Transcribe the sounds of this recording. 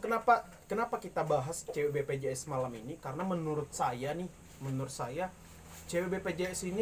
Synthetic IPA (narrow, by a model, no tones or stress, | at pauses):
kənapa | kənapakit̪abaɦast͡ʃewebeped͡ʒeɛsmalaminikaɾənamənuɾʊt̪̚sajanɪh | mənuɾʊt̪saja | t͡ʃewebeped͡ʒeɛsini